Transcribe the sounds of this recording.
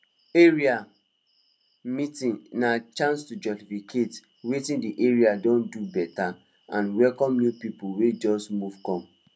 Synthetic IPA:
eɹia | mitĩnnat͡ʃãnstud͡ʒɔstifikʰet | wetĩndiʔeɹiadɔ̃ndubɛta | ãnwɛlkɔ̃mnjupipulwed͡ʒɔsmuv̥kɔ̃m

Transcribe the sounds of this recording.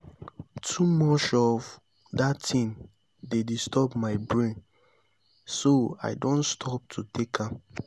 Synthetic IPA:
tʰumɔt͡ʃɔv | datʰĩn | dedistʰɔbmaɪbɹẽn | soa̰ɪdõnstʰɔp̚tʰutʰekʰã

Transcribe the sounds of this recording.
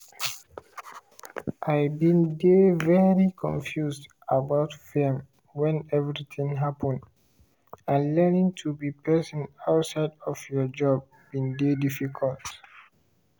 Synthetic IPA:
ʔaɪbĩndevɛɹikʰɔ̰̃ɱfjusd | abaʊtfɛm | wɛ̃nɛvɹit̪ĩŋɦapʰə̃nd | ãnlɛnĩŋtʰubipʰɛsɔ̃naʊtsaɪdɔvjɔd͡ʒɔb̚ːĩndedifikʰɔlt

